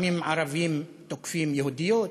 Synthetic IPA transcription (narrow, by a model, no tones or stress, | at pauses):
mimaɾavim | t̪oku̥fimjeɦud̪io